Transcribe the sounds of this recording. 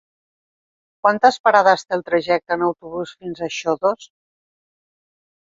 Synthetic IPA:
kwant̪əspəɾaðəst̪elˠt̪ɾəʒɛk̚t̪əːnəwt̪uβusfinzəʃɔðos

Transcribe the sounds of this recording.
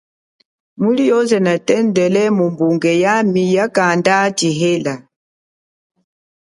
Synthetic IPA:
mulijɔzɛnatɛndɛlɛmumbuŋɡɛjamijakandatiɦela

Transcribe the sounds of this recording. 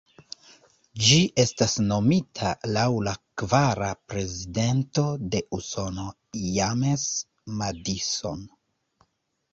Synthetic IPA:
d͡ʒiʔe̞stasno̞mitʰalawlakvaɾapɾe̞zide̞nto̞de̞ʔuso̞no̞ | james | madiso̞̰n

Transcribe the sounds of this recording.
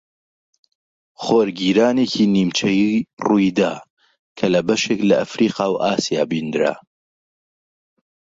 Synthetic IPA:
χoːɾɡiːɾaːneːcʰiniːmt͡ʃʰɐjirujd̪aː | kʰɐlɐbɐʃeklɐʔːfɾiːqɑːwʔaːsijaːbind̪ɾa̰

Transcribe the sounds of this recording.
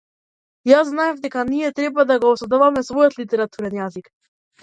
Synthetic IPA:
jazznaɛvd̪ɛkaniɛt̪ɾɛbvad̪aɡɔːsˠɛd̪ɔvamɛsvɔjɔt̪lit̪ɛɾat̪uɾɛnjazik

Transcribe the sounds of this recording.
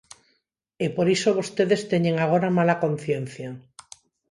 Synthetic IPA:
epoɾisoβost̪eðest̪eɲe̞ŋaɣ̞o̞ɾamalako̞n̟θje̞n̟θja

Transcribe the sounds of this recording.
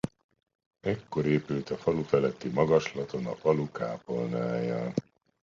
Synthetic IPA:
ɛkːo̞ɾeːpylt̪ɒfɒlufɛlɛt̪ːimɒɡɒʃlɒt̪o̞nɒ̰fɒluka̰ːpo̞lna̰ːjɒ̰

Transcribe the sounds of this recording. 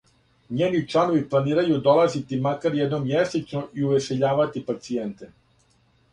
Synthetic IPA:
ɲeːnit͡ʂlˠano̞ʋiplˠaniːɾajud̪o̞lˠazit̪imakaɾjɛd̪no̞mjesit͡ʃnoʔiuʋeʃeʎaːʋat̪ipat̪sient̪e

